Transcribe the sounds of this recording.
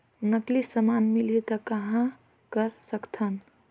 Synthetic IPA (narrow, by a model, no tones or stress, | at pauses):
nəklisəmanmiliet̪ɔkəɦã | kəɾsəkt̪ʰən